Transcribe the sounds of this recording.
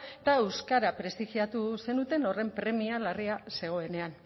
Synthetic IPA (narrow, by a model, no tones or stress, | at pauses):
t̪aewskaɾapɾe̞st̪ixiat̪use̞nut̪e̞no̞re̞mpɾe̞mialariase̞ɣ̞o̞e̞ne̞an